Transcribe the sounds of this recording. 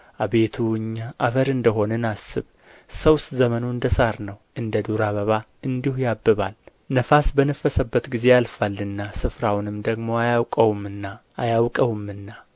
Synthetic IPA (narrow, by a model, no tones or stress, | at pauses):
ʔaβe̞t̪ʰuɨɲːaʔafəɾɨnd̪əɦo̞nɨnasːɨβ | səwszəmənuɨnd̪əsaɾnəwʔɨnd̪əd̪uɾaβəβa | ɨnd̪ihujabːɨβal | nəfasbənəfːəsəbːət̪ɡize̞alfalːɨnːasɨfɾawnɨmd̪əɡmo̞ajawkʼəwumːɨnːaʔːjawkʼəwumːɨnːa